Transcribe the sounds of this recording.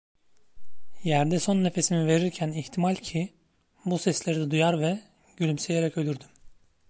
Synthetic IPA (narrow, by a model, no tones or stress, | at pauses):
jæɾd̪ɛso̞nːe̞fe̞sinive̞ɾiɾcʰæniht̪ʰimalʲcʰi | busɛslʲe̞ɾid̪ɛd̪ujaɾvɛ | ɟylʲymsejeɾɛcø̞lʲyɾd̪ym